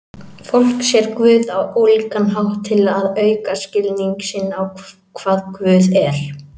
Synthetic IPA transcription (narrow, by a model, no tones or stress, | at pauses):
fowl̥ksjɛɾkvʏːðawowlikanɦawht̪ʰːɪlaðœːɥkascɪlniŋksɪnːaw | kʰvaːðkvʏːðɛɾ̥